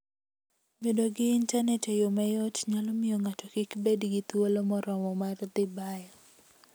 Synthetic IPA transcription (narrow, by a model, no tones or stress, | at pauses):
bedoɡɪːntanɛtejomajɔtɲalɔmɪjɔŋatɔkikbedɡit̪wolomɔɾɔmɔmard̪ɪbajɔ